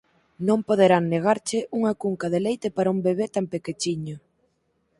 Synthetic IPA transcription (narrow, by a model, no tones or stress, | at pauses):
nõmpoð̞eɾaŋneɣ̞aɾt͡ʃɪʔuŋɐkuŋkɐðelejt̪ɪpaɾɐumbeβ̞et̪ampeket͡ʃiɲʊ